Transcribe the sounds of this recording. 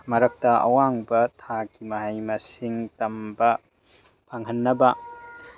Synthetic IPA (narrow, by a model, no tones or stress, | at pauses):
mɐɾɐk̚tɐɐ̰waŋbɐtʰakimɐɦajmɐsiŋtɐmbɐ | pʰaŋɦɐnːɐbɐ